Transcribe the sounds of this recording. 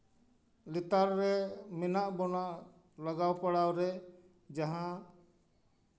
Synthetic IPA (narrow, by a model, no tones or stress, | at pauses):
lit̪aɾːɛmɛnaʔbɔnaʔ | laɡawpaɽawɾɛ | d͡ʒaɦã